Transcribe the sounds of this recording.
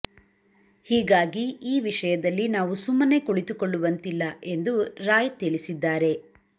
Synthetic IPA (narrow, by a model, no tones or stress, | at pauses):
hiːɡaːɡiiːʋiʂɐjɐd̪ɐlːinaːʋusumːɐne̞kuɭit̪ukoɭːuʋɐnt̪ilːɐʔe̞nd̪uɾaːjt̪iɭisid̪ːaːɾe̞